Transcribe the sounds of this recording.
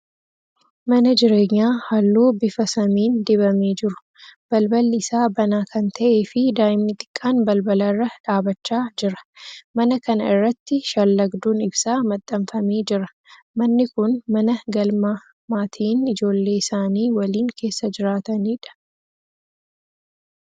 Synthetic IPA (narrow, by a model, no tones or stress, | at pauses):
mɐnɐd͡ʒɪɾe̞ːɲːaːhɐlːuːbɪfɐsɐmiːnd̪ɪbɐmeːd͡ʒɪɾʊ̥ | b̥ɐlbɐlːɪsaːbɐnaːkɐnt̪ʰɐʔe̞ːfɪd̪aːjɪmnɪt̪ʼɪ̥kʼːaːnbɐlbɐlɐrːɐᶑaːbɐt͡ʃːaːd͡ʒɪɾɐ̥mɐnɐkɐnɐ̰ɪrːɐt̪ːɪʃɐlːɐɡd̪uːnɪbsaːmɐt̪ʼːɐmfɐmeːd͡ʒɪɾɐ̥ | mɐnːɪkʊnmɐnɐɡɐlmaː | maːt̪ʰiːnɪd͡ʒo̞ːlːe̞ːɪsaːniːwɐliːŋkʰe̞ːsːɐd͡ʒɪɾaːt̪ɐniːᶑɐ̥